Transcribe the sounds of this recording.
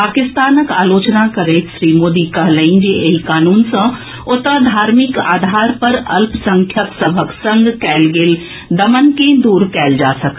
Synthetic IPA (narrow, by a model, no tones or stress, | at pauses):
paːkɪst̪aːnəka̰ːloːt͡ʃnakɐɾeːt̪ʃɾiːmoːd̪ikɐɦlɐ̃ĩd͡ʒeʔeikaːnuːnsã | ʊt̪əd̪ʱaːɾmɪka̰ːd̪ʱaːɾpɐɾɐ̰lpsɐ̃ŋkʰjəksɐbʱəksɐ̃ŋɡkɛːlɡɪːl | d̪ɐmənkẽd̪uːɾkɛːld͡ʒaːsɐk